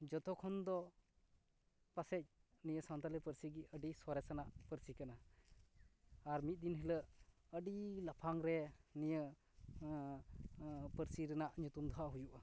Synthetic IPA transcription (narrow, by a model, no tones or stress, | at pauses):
d͡ʒɔt̪ɔkʰɔnd̪ɔ | pasɛc̚nijəsant̪alɛpəɾsiɡiəɖiswaɾɛsanaʔpəɾsikana | aɾmit̪̚d̪inɦɛləʔ | əɖilapʰaŋɾɛnijə | pəɾsiɾɛnaʔɲut̪umd̪ʱɔɦaʔɦujuʔa